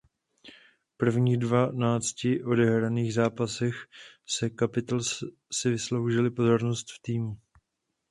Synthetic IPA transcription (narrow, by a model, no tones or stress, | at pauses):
pr̩vɲiːdvanaːt͡scɪʔo̞dɛɦɾaniːɣzaːpasɛxsɛkapɪt̪als | sɪvɪslo̞wʒɪlɪpo̞zo̞ɾnost̪ft̪iːmu